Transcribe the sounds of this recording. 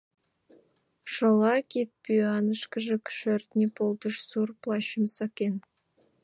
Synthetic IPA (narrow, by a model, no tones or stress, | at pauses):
ʃolˠɑkʲit̪̚pʲyɑnəʃkɪʒɘ̆kʲʰʏ̥ʃø̆rt̪nʲepolˠd̪əʃsurplˠɑɕəmsɑkʲen